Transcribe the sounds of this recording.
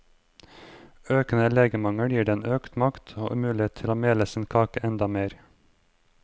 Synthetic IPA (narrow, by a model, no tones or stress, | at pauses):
øːkən̩əleːɡəmɑŋəɽjiːɖeːeːnʔøːkt̪mɑkt̪ʰoːʔʉmʉːlɪeːt̪t̪ʰɪloːmeːləsən̩kʰɑːkəʔɛnd̪ɑmeːɾ